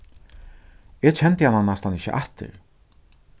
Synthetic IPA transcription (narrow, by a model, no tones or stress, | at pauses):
ɛt͡ɕʰɛnt̪əhananːast̪ʰanɪçə̰ʔaht̪ɪ̰ɾ